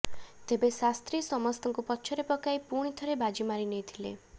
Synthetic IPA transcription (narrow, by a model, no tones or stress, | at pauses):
t̪ebesast̪ɾisɔmɔst̪ɔŋkupɔtːʃʰɔɾepɔkajpuɽ̃it̪ʰɔɾebad͡ʒimaɾinejt̪ʰilḛ